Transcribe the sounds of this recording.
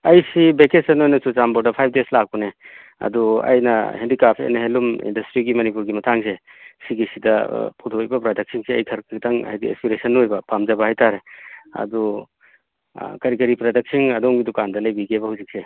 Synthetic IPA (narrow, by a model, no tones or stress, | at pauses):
ɐjsibeket̚sɐnojnɐsusambɔɾdɐpʰajp̚ʰdeslak̚pune | ɐ̰duɐ̰jnɐ̰hendikapʰḛnɐɦelumḭndɐstɾiɡimɐnipuɾɡimɐtʰaŋsesiɡisidɐpʰutʰojbɐpɾadɐk̚siŋsiɐjkʰɐɾkitʰaŋɐ̰jdiḛspiɾesɐnːojbɐpamd͡ʒɐbɐɦhajtʰaɾeɐ̰du | kɐɾikɐɾipɾadɐk̚siŋɐdoŋɡidukandɐlɐjbiɡebɐhawzik̚se